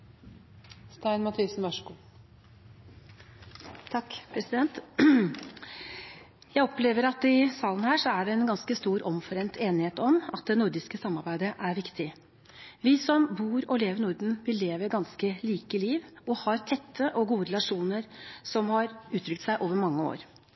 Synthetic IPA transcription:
st̪æɪnmɑt̪ʰisnʋɑʂku | t̪ʰɑkːpʰɾɛsɪd̪ɛnt̪ | jæɪɔpleːʋəɾɑt̪ɪsɑːlənhæːʂɔæɖɛɛnɡɑnskəst̪uːɾʔɔmfɔɾɛnt̪ʰeːnɪheːt̪ɔmɑt̪̚d̪ɛnʊɾd̪ɪskəsɑmːɑɾbæɪd̪əʔæɾʋɪkt̪ʰɪ | ʋɪsɔmbuːɾɔleːʋəɾnʊɾd̪n̩ʋɪleːʋəɾɡɑnskəliːkəliːʋɔhɑɾt̪ʰɛt̪ʰːəʔɔɡuːəɾɛlɑʂuːnəɾsɔmhɑɾʉːt̪ʰɾʏk̚t̪sæɪʔoːʋəɾmɑŋːəo̰ːɾ

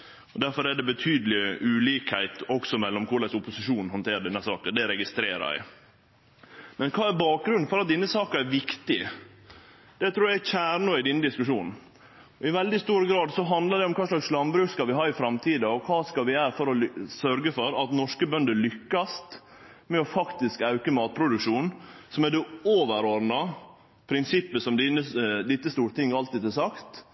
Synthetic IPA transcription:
ɔd̪æɾfɔɾæɖ̪ɛbət̪ʰyːd̪əlɪʉːliːkhæɪt̪ɔksɔmɛlːɔmkʰʊɾlæsʊpʊsɪʂuːnɦɔnt̪ʰeːɾd̪ɛnːəsɑːkəd̪ɛɾɛɡɪst̪ɾeːɾɑ̰ɪ | mɛnkʰɑːæɾbɑːk̚ɡɾʉnfɔɾɑt̪̚d̪ɪnːəsɑːkəɾæɾʋɪkt̪ɪ | d̪̥ɛt̪ʰɾuːjææçæːɾɳɔɪd̪ɪnːəd̪ɪskʉʂuːnn̩ | ɔɪʋɛld̪ɪst̪uːɾəɡɾɑːd̪sɔɦɑnd̪ləɖ̪ɛɔmkʰɑːslɑkslɑmbɾʉːkskɑlʋɪɦɑːɪfɾɑmt̪ʰiːd̪əɔkʰɑːskɑlʋɪæːɾfɔɾɔsœɾɡəfɔɾɑt̪nɔʂkəbœnd̪əlʏkːɑst̪ | mɛɔfɑkt̪ɪskɑʉkəmɑːt̪̚pʰɾʊd̪ʉkʂuːnnsɔmæd̪ɛoːʋəɾɔɾnɑ | pʰɾɪnsɪpːəsɔmd̪ɪnəd̪ɪt̪ːəst̪uːɾət̪ʰɪŋːɑlt̪iːd̪ɛsɑkt̪

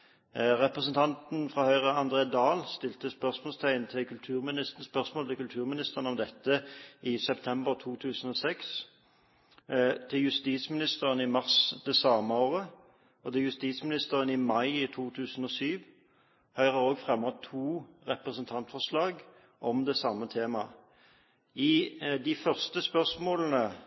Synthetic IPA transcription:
ʁɛpʁəsənt̪ʰɑnt̪nfʁɑːhœʏʁəɑnd̪ʁeːd̪ɑːlst̪ɪlt̪əspœʁsmoɔlst̪ʰæɪənt̪ʰɪkʰʉlt̪ʰʉːʁmɪnɪs̩spœʁsmoːlt̪ʰɪkʉlt̪ʰʉːʁmɪnɪst̪əʁnəɔmd̪ɛt̪ːəɪsɛpt̪ʰɛmbəʁt̪ʰuːt̪ʰʉːsən̩oːsɛks | t̪ʰɪjʉst̪iːt̪smɪnɪst̪əʁənɪmɑʁsd̪ɛsɑːməoːʁə | ɔd̪ɛjʉst̪iːt̪smɪnɪst̪əʁənɪmɑɪɪt̪ʰuːt̪ʰʉːsən̩ɔːsyːʋ | hœʏʁəʁoːɡfʁɛmːɔt̪ʰuːʁɛpʁəsənt̪ʰɑnt̪fɔʁslɑːɡ | ʔɔmd̪ɛsɑmːət̪ʰeːmɑ | ɪd̪ɪfœʁst̪əspœʁsmoːln̩ə

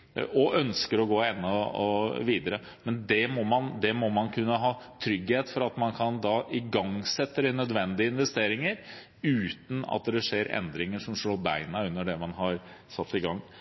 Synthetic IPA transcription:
ɔʔœnskəɾɔɡoːɛnːəɔ̰ʋiːd̪əɾə | mɛnd̪ɛmɔmɑnd̪ɛmɔmɑnkʰʉnːəɦɑːt̪ʰɾʏɡheːt̪fɔɾɑt̪mɑnkʰɑnd̪ɑːʔɪɡɑŋsɛt̪ːəɾɛnœd̪ʋɛnd̪ɪəɪnʋɛst̪eːɾɪŋəɾ | ʉːt̪n̩ɑ̰t̪̚d̪ɛʂeːɾɛ̰nd̪ɾɪŋəʂɔmʂloːbæɪnɑʉnːəɖɛmɑnɦɑɾ | sɑt̪ːɪɡɑŋː

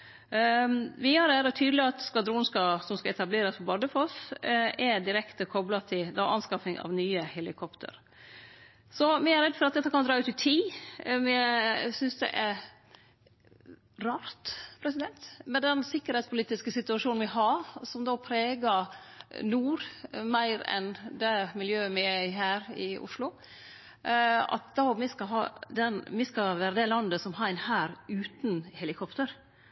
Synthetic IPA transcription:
ʋɪhɑɾæːɾət̪ʰyːd̪əlɪɑt̪skʋɑd̪ɾuːnskɑsɔmskɑɛt̪ɑbleːɾəspɔbɑd̪əfɔsʔɛd̪ɪɾɛkt̪əkʰɔblɑt̪ʰɪd̪ɑʔɑnskɑfɪŋɑ̰ʋnyːəhɛlɪkʰɔpt̪ʰə̰ɾ | sɔmɪæɾɛd̪fɔɾɑt̪d̪ɛt̪ːəkʰɑnd̪ɾɑːʉːt̪ɪt̪ʰiːmɛsʏnsd̪ɛ̰ʔæɾ | ɾɑːɾt̪pʰɾɛsɪd̪ɛnt̪mɛd̪ɛnsɪkːəɾhɛːt̪spʰʊliːt̪ɪskəsɪt̪ʉɑʂuːn̩ʋɪɦɑsɔmd̪oːpʰɾeːɡɑ | nuːɾmæɪɾɛ̰nd̪ɛmɪljøːəmɪæɪɦæːɾɪ̰ʊ̰ʂlʊ | ɑ̰t̪̚d̪omɪskɑɦɑ̰ːd̪ɛnmɪskɑʋæːɾəd̪ɛlɑnd̪əsɔmhɑːɾæɪnhæːɾʉːt̪n̩hɛlɪkʰɔpt̪əɾ

